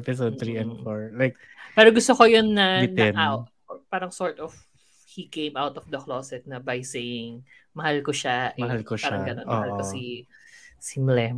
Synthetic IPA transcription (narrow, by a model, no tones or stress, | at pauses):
ɛpɪs̬od̪̚t̪ɾiɛ̃nd̪foɹlajk̚ | pɛːɾoɡʊst̪okojonːɐnɛna | paːɾɐŋsoɹt̪ɔf | hikẽjmawt̪ɔfd̪ɐkloːsɛt̪̚nɐbɐjsejɪŋ | mɐhalkoʃaʔmɐhalkoʃpaːɐŋɡɐnonɐhalkosi | sɪmlɛm